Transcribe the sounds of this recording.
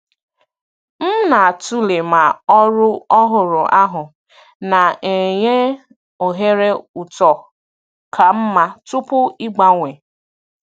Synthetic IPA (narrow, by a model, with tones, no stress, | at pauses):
m̩˦na˨a˨tu˦le˨ma˨ɔ˦ɾʊ˦ɔ˦ɦʊ˨ɾʊ˨ʔa˦ɦʊ˨ | na˨e˨ɲe˦ | o˨ɦe˦ɾe˦u˨tɔ˨ | kʰa˨m̩˦ma˦tu˦pʊ˦i˦ɡ͡ba˦ŋʷe˨